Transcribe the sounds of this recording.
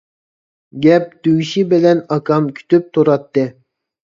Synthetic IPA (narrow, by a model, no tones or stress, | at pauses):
ɡʲɛp̚d̪yɡʲʃibɪlɛnɑkʰɑmkʲʰy̥t̪yp̚t̪ʰuɾɑt̪ːɨ